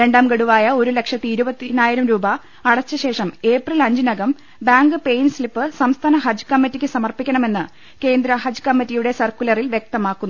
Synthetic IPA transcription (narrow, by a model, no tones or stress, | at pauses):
ɾe̞ɳɖaːmɡɐɽuʋaːjɐo̞ɾule̞kʂɐt̪ːiiɾubɐt̪ːinaːjiɾɐmɾuːbɐː | ɽɐt͡ɕːɐɕe̞ːʂɐme̞ːprilɐɲd͡ʑinɐɡɐm | baːŋɡɨpe̞jnslipːɨsɐmst̪ʰaːnɐɦɐd͡ʑkɐmːitːikʲːɨsɐmɐrpikʲːɐɳɐme̞nːɨ | ke̞ːnd̪ɾɐhɐd͡ʑkɐmːɐtːijuɽe̞sɐrkulɐrilʋje̞k̚t̪ɐmaːkːunːu